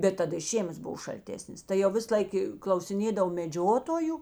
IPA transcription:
ˈbʲɛt tɐˈdɐ ɪ ˈʒʲeːmɐs ˈbʊw ʃɐlʲˈtʲæːsʲnʲeːs tɐɪ jɛʊ ˈʋʲɪs ˈlˠɐɪk ɪ klˠɐʊsʲɪˈnʲeːdɐw mʲɛˈd͡ʒʲoːtoːjʊ

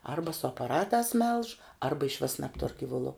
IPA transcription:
ˈɐrbɐ sʊ ɐpɐˈrɑːtɑːs mʲɛlˠʃ ˈɐrbɐ ɪʃʲˈʋʲɪs nʲɛpˈtʊr ɡʲɪʋʊˈlˠʊ

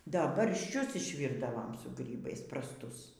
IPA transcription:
ˈdɐ bɐrʲʃʲˈt͡ʃʲʊs ɪʃʲˈʋʲiːrdɐʋɐm sʊ ˈɡrʲiːbɐɪs prɐsˈtʊs

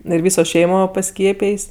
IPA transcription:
ɪr ˈʋʲiːsoː ˈʃʲɛɪmoː pɐˈsʲkʲiɛpʲeːjsʲ

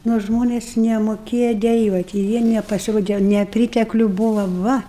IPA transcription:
nʊ ˈʒmoːnʲeːs nʲɛmoːˈkʲeːjɛ dʲɛˈjuɔtʲ ɪ ˈjiɛ nʲɛpɐsʲɪˈroːdʲɛ nʲɛˈpʲrʲiːtʲɛklʲʊ ˈbuːʋɐ ˈʋɐ

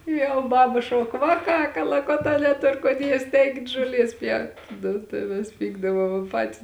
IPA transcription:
jɛʊ ˈbɑːbɐ ˈʃɐʊk ˈʋɑːˌkɑː kɐlˠɐˈkoːtɑː nʲɛˈtoːr koːn ˈjiɛsʲtʲ ˈɛɪkʲɪt ˈʒuɔˌlʲiɛs ˈpʲjɛʊtʲ ˈnʊ tɐɪ ˈmʲɛs ˈpʲiːɡdɐʋoːm ˈpɑːtʲɪs

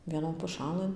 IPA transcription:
ʋʲiɛˈnoːn pʊˈʃɑːlˠɘn

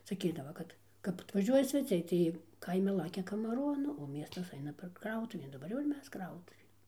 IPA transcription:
sɐˈkʲiːdɐʋɐ ˈkɐt kɐp ɐtʋɐˈʒʲuɔjɛ sʲʋʲɛˈt͡sʲɛɪ tɐɪ ˈjiɛ ˈkɐɪmʲɪ ˈlˠɑːkʲɛ kɐmɐˈroːn oː ˈmʲiɛstɐs ˈɐɪnɐ pʲɛr ˈkrɐʊtʊʋʲeːn dɐˈbɐr jɛʊ ɪr ˈmʲɛs ˈkrɐʊtʊʋʲeːn

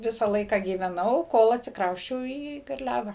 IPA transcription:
ˈʋʲɪsɐ ˈlˠɐɪkɐ ɡʲiːʋʲɛˈnɐʊ ˈkoːlˠ ɐtʲsʲɪkˈrɐʊsʲt͡ʃʲɛʊ iː ɡɐrʲˈlʲæːʋɐ

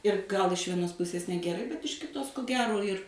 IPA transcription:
ɪr ˈɡɐlˠ ɪʃ ʋʲiɛˈnoːs pʊˈsʲeːs nʲɛɡʲɛˈrɐɪ bʲɛt ɪʃ kʲɪˈtoːs koː ˈɡʲæːroː ɪr

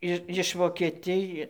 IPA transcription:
ˈɪ ɪʃ ʋoːkʲɛˈtʲɪj

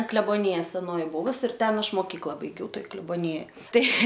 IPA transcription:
ˈklʲæːboːˈnʲɪjɛ sʲɛˈnoːjɪ ˈbʊʋʊs ɪr ˈtʲɛn ˈɐʃ moːˈkʲiːklˠɐ bɐɪˈɡʲɛʊ ˈtoːj klʲɛboːˈnʲɪjoːj ˈtɐɪ

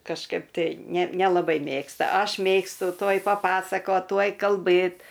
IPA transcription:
kɐʃˈkɐɪp tɐɪ ˈnʲɛ nʲɛlˠɐˈbɐɪ ˈmʲeːkstɐ ˈɐʃ ˈmʲeːkstʊ ˈtuɔj pɐˈpɑːsɐkoːt ˈtuɔj kɐlˠˈbɘt

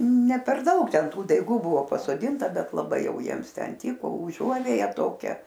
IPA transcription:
ˈnʲɛ ˈpʲɛr ˈdɐʊk ˈtʲɛn ˈtuː dɐɪˈɡuː ˈbʊʋoː pɐsoːˈdʲɪntɐ ˈbʲɛt lˠɐˈbɐɪ ˈjɛʊ ˈjiɛms ˈtʲɛn ˈtʲiːkoː ʊˈʒuɔʋʲeːjɛ ˈtoːkʲɛ

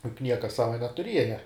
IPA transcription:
kɐɪp ˈnʲiɛkɐ ˈsɑːʋɐ nʲɛtʊˈrʲiɛjɛ

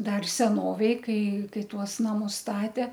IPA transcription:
ˈdɐr sʲɛˈnoːʋʲeːj ˈkɐɪ ˈkɐɪ ˈtuɔs nɐˈmʊs ˈstɑːtʲɛ

